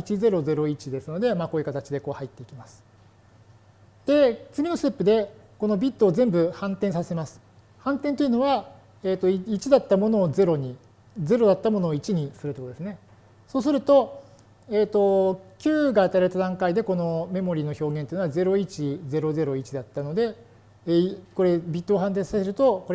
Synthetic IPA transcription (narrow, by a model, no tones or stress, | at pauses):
it͡ɕize̞ɾo̞ze̞ɾo̞it͡ɕid̪e̞sɨno̞d̪e̞maːkoːjɯ̟kat̪at͡ɕid̪e̞ko̞ːhait̪ːe̞ikʲimasɨ̥ | d̪̥e̞t͡sɨɡʲino̞sɨ̥t̪e̞pːɯ̟d̪e̞ | ko̞no̞bʲit̪ːo̞ːzẽ̞mbɯ̟hãnt̪ẽsaseemasɨ̥ | hãnt̪ẽnt̪o̞iɯ̟no̞βa | eːt̪ːo̞it͡ɕid̪at̪ːamo̞no̞ːze̞ɾo̞ɲ̟i | d͡ze̞ɾo̞d̪at̪ːamo̞noːit͡ɕiɲ̟isɨɾɯ̟t̪okoɾd̪esɨne̞ | so̞ːs̬ɨɾɯ̟t̪o̞ | eːt̪ːo̞kʲɨːɡaːt̪aɾaɾet̪ad̪ãŋkaid̪e̞ko̞no̞me̞mo̞ɾʲiːno̞ço̞ːɡẽnt̪oiɯnoaze̞ɾo̞it͡ɕid͡ze̞ɾo̞ze̞ɾo̞it͡ɕid̪at̪ːano̞d̪e̞ | ko̞ɾe̞bʲit̪ːo̞ːɦãnt̪̬ẽ̞sase̞ɾɯ̟t̪o̞ko̞ɾ